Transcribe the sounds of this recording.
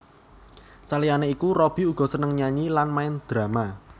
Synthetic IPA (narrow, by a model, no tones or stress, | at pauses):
t͡ʃalianeikurɔb̥i̤uɡ̥ɔ̤sənəŋɲaɲilanmaɪnd̪̥ɾä̤ma